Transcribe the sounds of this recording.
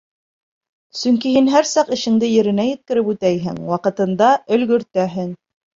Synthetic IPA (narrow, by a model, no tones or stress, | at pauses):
sɵŋkihinɦæɾsɑqɘ̆ʃɘ̆ŋd̪ɘjɘ̆ɾɘ̆næjɘ̆t̪̚kɘ̆ɾɘpʉt̪æjɦɘ̰ŋwɑqɤ̆t̪ɤ̆nd̪ɑɵ̆lɡɵ̆ɾt̪æɦɘŋ